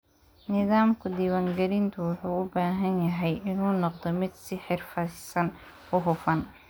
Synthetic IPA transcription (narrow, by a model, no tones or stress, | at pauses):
nɪðaːmkʰʊd̪iːwaŋɡɐɾɪnt̪ʰʊwʊħuːʊbaːɦɐnjɐɦɛjʔɪnuːnɔqd̪ɔmɪd̪sɪħɪrfɐsɐn | ʊɦʊfɐn